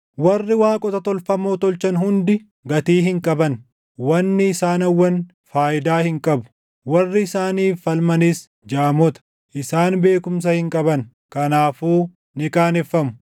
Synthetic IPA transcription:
wɐrːɪwaːkʼɔt̪ɐt̪ɔlfɐmoːt̪ɔlt͡ʃɐnhʊnd̪ɪ | ɡɐt̪iːhɪŋkʼɐbɐn | wɐnːɪːsaːnɐwːɐn | faːʔɪd̪aːhɪŋkʼɐbʊ̥ | wɐrːɪɪsaːniːfːɐlmɐniːs | d͡ʒaːmɔt̪ɐ̥ | ʔɪsaːnbe̞ːkʊms̬ɐhɪŋkʼɐbɐn | kɐnaːfuː | nɪkʼaːnɛfːɐmʊ̥

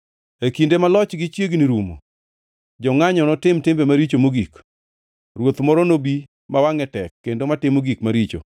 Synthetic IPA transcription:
ekindemalɔt͡ʃɡɪt͡ʃjeɡniɾumo̰ | d͡ʒɔŋaɲɔnɔtɪmtɪmbemaɾit͡ʃomoɡik | rwot̪mɔɾɔnobi | mawaŋɛtɛkːendomatɪmoɡikmaɾit͡ʃo̰

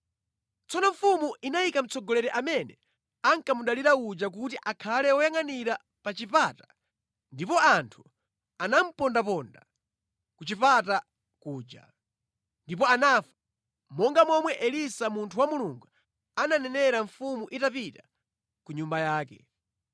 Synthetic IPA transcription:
t͡sɔnɔɱfumuʔinajikam̩t͡sɔɡɔlɛɾɛʔamɛnɛ | aŋkamuɗaliɾaud͡ʒak̬utiʔakʰalɛɔjaŋaniɾa | pat͡ʃipatḁ | ndip̬ɔantʰu̥ | anam̩pɔndapɔnda | kut͡ʃipata | kuːd͡ʒa̰ | ndipɔanafḁ | mɔŋɡamɔmwɛʔɛlisamuntʰuwamuluŋɡu | ananɛnɛɾaɱfumuʔitapita | kuɲumbajaːkɛ̰

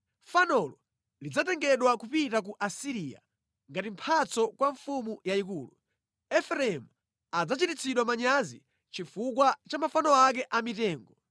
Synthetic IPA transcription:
fanɔlɔ | lid͡zatɛŋɡɛɗwakupitak̬uʔasiɾiːja̰ | ŋɡatim̩pʰat͡sɔkwaɱfumujaikuːlu | ɛfɾɛɛmu | ad͡zat͡ʃitit͡sʰiɗwamaɲazḭ | t͡ʃifukwat͡ʃamafanɔak̬ɛʔamitɛːŋɡɔ

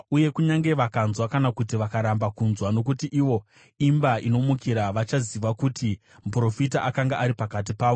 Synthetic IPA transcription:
uje̞kuɲaŋɡe̞ʋakanzwakanakutiʋakaɾambakunzwano̞k̬utiʔiʋo̞ | imbaʔino̞mukiɾaʋat͡ʃaziʋakuti | m̩pro̞fitaʔakaŋɡaʔaɾipakat̬ipaːʋo

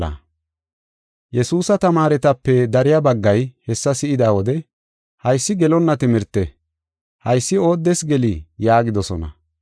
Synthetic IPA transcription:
ɐ̰ | jɛsuːsɐt̪ɐmaːɾɛt̪ɐpːɛd̪ɐɾɪjabɐɡːɐjhɛsːɐsɪʔɪd̪aːwɔd̪ɛ | hɐjsːɪɡɛlɔnːɐt̪ɪmɪɾt̪ːɛ | hɐjsːɪo̞ːd̪ːɛsɡɛlijaːɡɪd̪ɔsɔnɐ̰

